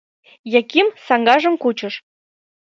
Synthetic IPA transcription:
jɑkimsɑŋɡɑʒə̆mkut͡ɕɤ̆ʃ

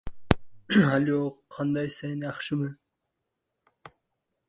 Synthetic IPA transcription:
aloqʰɑnd̪ɑjsajnɑχʃɨmɨ

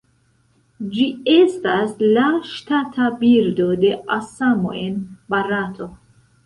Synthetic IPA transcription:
d͡ʒiest̪aslaʃt̪ʰat̪ʰabiɾd̪od̪eʔasamoʔenbaɾat̪ʰo

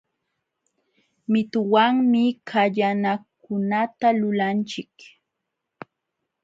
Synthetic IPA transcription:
mɪt̪ʊwaŋmɪkʰaʎanak | ʊnat̪alʊlant͡ʃɪk

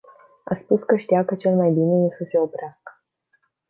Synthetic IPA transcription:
a̰spuskəʃt̪ijakət͡ʃe̞lmajbine̞je̞səse̞o̞pɾeaskə̥

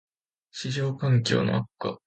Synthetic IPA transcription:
ɕiʑoːkãŋkʲo̞̰ːno̞̰akːa̰

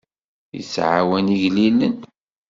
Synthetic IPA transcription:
ḭsʕa̰wæniʝlilːən

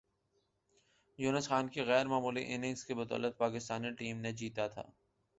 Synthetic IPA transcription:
juːnəsxaːnkeɣɛːɾmaːmuːliʔɪnɪ̃ŋskebʊt̪ɔ̰ːlət̪̚paːkɪst̪aːniʈiːmned͡ʒiːt̪at̪ʰa̰ː

